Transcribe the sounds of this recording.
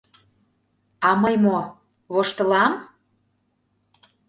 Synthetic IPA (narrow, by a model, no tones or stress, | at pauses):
ɑməjmo | βoʃt̪əlɑm